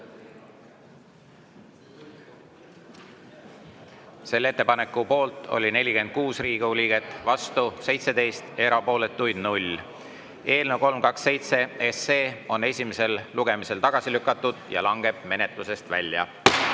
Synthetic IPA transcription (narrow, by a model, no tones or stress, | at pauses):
se̞lːe̞t̪ːe̞pɑne̞kːˑupo̞ːlt̪ˑo̞̰lʲine̞lʲike̞nd̪̥̚kuːsriːɡlʲiːɡ̥e̞t̪ːˑvɑst̪use̞jt̪se̞d̪e̞jst̪e̞ɾɑpo̞ːlet̪ːˑujd̪̥nulʲ | e̞ːlnewko̞lmkɑksːe̞jt̪se̞ese̞ːo̞ne̞sʲimese̞lluɡ̥e̞mise̞lt̪ɑɡ̥ɑsilykːˑɑt̪ːˑud̪̥jɑ̰lɑŋɡ̥e̞b̥̚me̞ne̞t̪ˑluse̞st̪væ̰lʲjɑ̰